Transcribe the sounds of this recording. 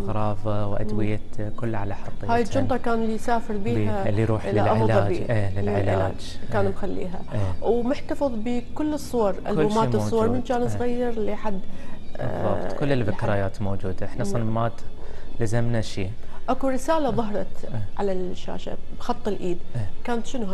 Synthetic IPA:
ʔɣɾˤɑːfɑwʔa̰d̪wɪjakʊlːʕalaħɑɾˤt̪ːˤhaːjɪd͡ʒʊnt̪ˤɑkaːnlːijsaːfɪɾbiːalːiɾuːħʔɪlaʔʔɑɪflaˤɑːbiːʔeːlɪlʕɪlaaːd͡ʒkaːnbxalːḭːɦa̰ʔewmʊħt̪ɑfɨðˤbɪkʊlːɨsˤːʊwɑɾˤʔa̰luːmaːɨsˤːʊwwɑɾˤmɪnt͡ʃaːnsˤɣajːɪɾˤliħad̪ˤː | ɑ̰t̪ˤkʊlːɪlfɪkːɾajaːt̪mowd͡ʒuːd̪aʔɪħnasˤɑnamaːt̪lɪzamnaʃḭːʔakuɾɪsaːlaðˤɑhɾˤɑt̪ʕa̰laʃːa̰ːʃa̰bxɑt̪ˤːɪlʔiːd̪kaːnat̪ʃɪnɦa

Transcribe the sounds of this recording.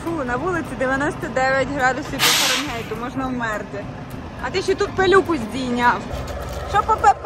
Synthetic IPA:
funɐʋulˠɪt͡sʲid̪eʋʲjɐnɔsʲt̪ɐd̪ɛʋʲjɐtʲɦɾɑd̪ʊsʲiwpɔkɔɾɔmʲɦɛjt̪ʊmɔʒnɐwmɛrt̪ɪ | ɐt̪ɪʃit̪ut̪̚pelʲukʊzʲdʲijnʲawʃt͡ʃɔpɔpɛp

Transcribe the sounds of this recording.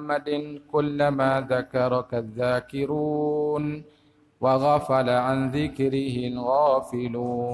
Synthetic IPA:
mːad̪ɪnkʊlːamaːðakɑɾˤɑkaðːaːkɪɾuːn | waɣafalaʕanðɪkɾɪhɪlɣaːfɪluː

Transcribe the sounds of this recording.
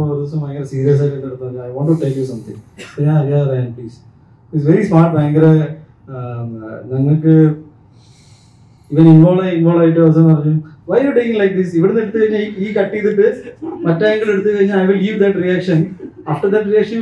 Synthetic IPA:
oɾiʋɐsɐmɐjɐŋɡɐɾesiːɾijɐs̬aːjikːenːɐɽut̪ːɐɐɲːaɐjʋoːɳʈːuʈeljusɐmt̪ʰḭ̃ŋsoɲaːnɐɾijaːðɐɾajanpliːs | isʋeɾismaːʈ̚baːŋɡɐɾe | nɐŋːɐɭkɨ | iːʋɐ̃ninʋoːɭɐinʋoːɭaːjʈ̬ːɨɐʋɐs̬ɐ̃mpɐrɐɲːumʋɐjjuʈekĩŋlɐjk̚d̪isiʋiɽenːeɽut̪ːɨkɐɻiɲːaiiːkɐʈːijt̪ːiʈːɨmɐtːaːŋɡɐɭeɽut̪ːɨkɐɻiɲːalɐjʋilɡiːʋd̪ɐʈrijaːkʂɐn | aːfʈɐɾd̪ɐʈrijaːkʂɐn

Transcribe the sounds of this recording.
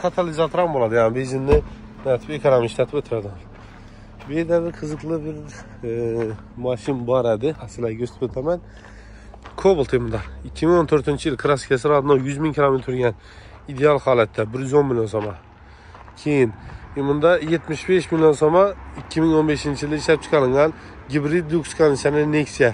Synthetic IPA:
kʰat̪ʰalizat̪ʰoɾɑmbolˠɑd̪ɪjanɪbezɪnːɪ | næt̪ʰɪ̥pekʲʰaɾamɪʃt̪at̪ʰɪpøt̪ʰɪɾad̪ɪm | bed̪æbɪɾqʰɨzɨqlˠɨbɪɾ | mɑʃɪnbɒɾæd̪ɪhasɪlæɡʲøst̪ʰɪ̥pøt̪ʰæmæn | kʰobulˠt̪ʰemnd̪ɑɪkʲʰːimiŋot̪ʰɵɾt̪ʰɪnt͡ʃʰijilˠkʰɨɾaskʲʰas̬ɪɾɑd̪nowjyzmiŋkʲʰilˠomet̪ɾʰɾɡʲɛn | id̪eɑlˠhɑːlˠæt̪ʰːɛbɪɾjyzonmilʲjonsomɑ | kʲʰejɪnmʊnd̪ɑjet̪mɪʃbeʃmiljo̞nsomɑɪkʲʰːɪmɪŋonbeʃint͡ʃʰijlˠd̪ːʃlæp̚t͡ʃʰɨ̥qʰɑlˠɪŋɑn | ɡʲibɾid̪ːukt͡ʃʰkɑnɪʃænɪneksija

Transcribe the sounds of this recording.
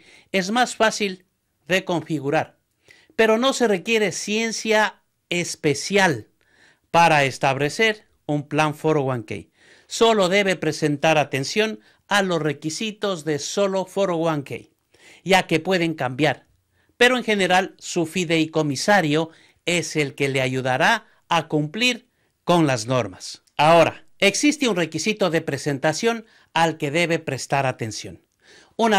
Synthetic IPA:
e̞zmasfasil | ðe̞ko̞ɱfiɣuɾaɾ | pe̞ɾo̞no̞se̞re̞kje̞ɾe̞sje̞nsja | espe̞sjal | paɾaest̪aβle̞se̞ɾ | umplaɱfoɾoɣwaŋkḛj | so̞lo̞ðe̞βe̞pɾe̞se̞nt̪aɾat̪e̞nsjo̞n | alo̞sre̞kisit̪o̞zðe̞so̞lo̞foɾoɣwaŋkḛj | ɟ͡ʝake̞pwe̞ðe̞ŋkambjaɾ | pe̞ɾo̞eŋxe̞ne̞ɾalsufiðejko̞misaɾjo | e̞se̞lke̞le̞aʝuðaɾa | akumpliɾ | ko̞nlazno̞ɾmas | ao̞ɾa̰ | e̞ksist̪eunre̞kisit̪o̞ðe̞pɾe̞se̞nt̪asjo̞n | alke̞ðe̞βe̞pɾe̞st̪aɾat̪e̞nsjo̞̰n | una

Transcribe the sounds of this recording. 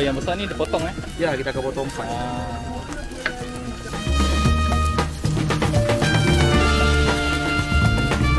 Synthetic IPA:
jaŋbəsanidipɔt̪ɔŋajakit̪akəpɔt̪ɔŋa

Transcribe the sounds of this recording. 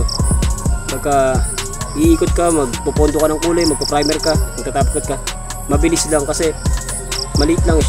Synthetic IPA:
bɐɡkːa | ʔiʔiːkot̪̚kamɐɡpopond̪okɐnɐŋkuːlɛmɐɡ̚pɐpɾajmɛɾkamɐɡ̚t̪at̪aːpkɐt̪̚ka | mɐbɪlɪslaŋkɐsɛ | mɐlɪit̪laŋ

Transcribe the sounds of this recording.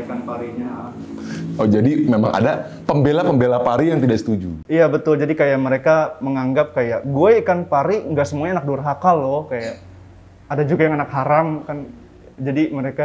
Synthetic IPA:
kanpaɾiɲa | od͡ʒadimema̰ŋa̰da | pəmbelapəmbelapaɾijaŋt̪idaʔsə̥t̪ud͡ʒṵijabət̪ʊld͡ʒadikajaʔməɾekaməŋaŋɡap̚kajaʔɡuakanpaɾiŋɡaʔsəmuaɲaːnak̚durɦakalɔhkajaʔː | dad͡ʒuɡajaŋanakhaɾamkan | d͡ʒadiməɾeka

